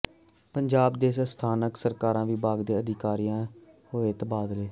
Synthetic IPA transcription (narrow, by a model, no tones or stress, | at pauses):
pəɲd͡ʒaːbd̪eːsəst̪ʰaːnəksəɾkaːɾãːʋiːbaːɡd̪eːəd̪ʱɪkaːɾijãː | ɦoːeːt̪ːbaːd̪leː